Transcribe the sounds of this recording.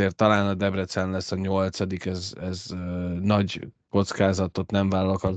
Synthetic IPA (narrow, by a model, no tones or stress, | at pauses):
eːrt̪ːɒlaːnɒd̪ɛbrɛt̪sɛnlɛsːɒɲo̞lt̪sɒd̪ikɛzɛznɒɟko̞t̪skaːzɒt̪ot̪nɛɱvaːlɒlokɒ